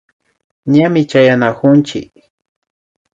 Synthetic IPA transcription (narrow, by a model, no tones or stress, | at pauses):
ɲamɪt͡ʃajanakʊnt͡ʃɪ̰k